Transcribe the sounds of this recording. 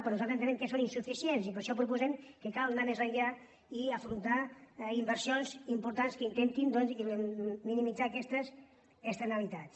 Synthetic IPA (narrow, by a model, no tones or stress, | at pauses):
pɾɔnuzatɾzent̪enɛmkəsoninsufisiensipəɾʃɔpɾupuzɛmkəkalˠnamezreʎa | iəfɾunt̪aimbəɾsionzimpuɾt̪anskəint̪ent̪ind̪ɔnziminimid͡zaːkɛst̪əz | əst̪ənalit̪at͡s